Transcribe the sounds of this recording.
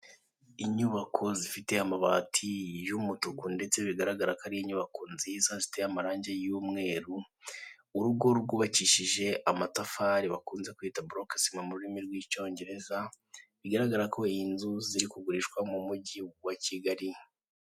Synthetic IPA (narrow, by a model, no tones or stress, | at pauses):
iɲuβakʰo̞zifite̞amaβaːtʰijumutukunde̞t͡se̞βiɡaɾaɡaɾakaɾijiɲuβakonzizazifite̞amaɾaːɲɟejuːmŋe̞ːɾuː | ɾuɡo̞ɾuɾɡuːβaciʃiʒe̞ʔamatafaɾiβakuːnze̞kuiːtabuɾokasimamuɾuɾimiɾɡwiːt͡ʃo̞ːɲɟe̞ɾe̞za | βiɡaɾaɡaɾakʰo̞inzuziɾikuɡuɾiʃkwamumuɟiwaciɡaɾi